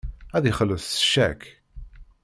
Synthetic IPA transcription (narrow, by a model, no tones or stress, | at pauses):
æðiχəlːəθθə̥ʃæ̰k